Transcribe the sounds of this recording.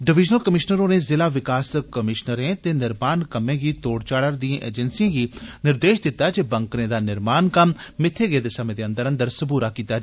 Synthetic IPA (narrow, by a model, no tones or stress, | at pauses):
ɖɪʋɪd͡ʒnəlkəmɪʃnəɾõːneːzɪlaːʋɪkaːskəmɪʃnəɾẽːt̪eːnɪɾmaːnkəmẽːɡiːt̪oːɽt͡ʃaːɽəɾd̪ĩẽʔḛːd͡ʒɛnsiãːɡiːnɪɾd̪eːʃd̪ɪt̪ːaːd͡ʒeːbəŋkɾẽːd̪aːnɪɾmaːnkəmːɪt̪ʰːeːɡeːd̪eːsəmẽːd̪eːənd̪əɾə̃nd̪əɾsəbuːɾaːkiːt̪aː